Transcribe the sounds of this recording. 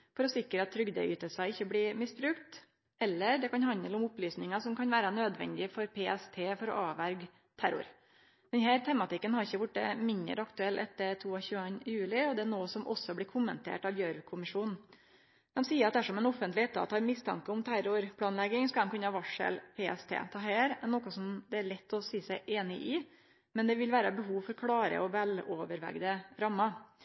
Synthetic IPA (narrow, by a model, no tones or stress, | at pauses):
fɔɾɔsɪkɾəɑt̪ʰːɾʏɡd̪ə̰ʏy̰ːt̪əlsɑɪçːəblɪːmɪsbɾʉkt̪ | ɛlːəɾɖɛkɑnhɑnd̪əlʊmʊplyːsnɪŋɑsɔmkʰɑnʋæːɾɑnøːd̪ʋɛ̰nd̪ɪfɔɾpʰeːɛst̪ʰeːfɔɾɔ̰ʔɑːʋæɾɡ | t̪ʰæɾʊ̰ɾ | d̪ɛnhæːɾt̪ʰɛmɑt̪ɪkːənhɑɾɪçːəʋʊʈ̚ɖə̰mɪnd̪ə̰ɾɑkt̪ʉɛlːʔɛt̪ːət̪ʰuːɑçʉːənjʉːlɪɔd̪ɛænoːsɔmʔɔ̰sːɔblɪːkʰʊmːənt̪ʰḛːʈɑʋjøːɾkʰʊmɪʂuːnn̩ | d̪̥ɛmsiːəɾɑt̪̚d̪æʂɔmɛnɔfənt̪lɪɛt̪ʰːɑ̰t̪hɑɾmɪst̪ʰɑ̰ŋkəʊmt̪ʰæɾʊɾpʰlɑːnlɛɡɪŋskɑd̪ɛmkʉnːəhɑʋɑʂə̰lpʰeːɛst̪ʰḛːt̪ʰɑːɦæːɾɛnːɔkəsɔmd̪ɛæɭɛt̪ːɔsiːsæɪʔeːnɪʔɪ | mɛnd̪ɛʋɪlʋæːɾəbəɦuːʋfɔɾkʰlɑːɾə̰ɔʋɛloːʋəɾʋɛ̰ɡd̪əɾɑmːɑ